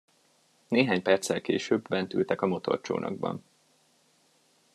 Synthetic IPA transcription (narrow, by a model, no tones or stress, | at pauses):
neːɦaːɲpɛrt̪sɛlkeːʃøːbbɛnt̪ylt̪ɛkɒmo̞t̪o̞̰rt͡ʃo̰ːnɒ̰ɡ̚bɒ̰n